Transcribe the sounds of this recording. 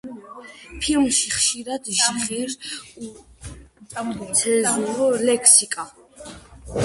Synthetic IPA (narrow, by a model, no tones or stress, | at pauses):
pʰilmʃiχʃiɾad̪ʃaχɛɾ | sʰɛzuɾɔlɛkʰsikʼa